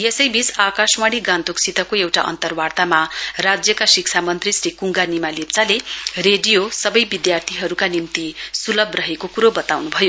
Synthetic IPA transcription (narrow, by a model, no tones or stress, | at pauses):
jesʌjbit͡sakaswaɽiɡãnt̪oksʰit̪ʌkoewʈa̰ʔʌ̰nt̪ʌrwart̪amarad͡zjʌkasik̚t͡sʰamʌnt̪risrikuŋɡanimalip̚t͡salereɖijosʌbʌjbid̪jart̪ʰiɦʌɾukanimt̪isulʌbrʌɦekokuɾobʌt̪awnubʱʌjo